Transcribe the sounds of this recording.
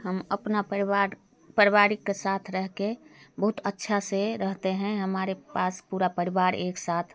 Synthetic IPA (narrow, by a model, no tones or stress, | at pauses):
ɦəməpnaaɾ | pəɾiʋaːɾikːesaːt̪ʰɾəɦkebəɦʊt̪ətːʃʰaseɾəɦt̪eɦɛ̃ɦəmaːɾepaːspuːɾapəɾiʋaːɾeːksaːt̪ʰ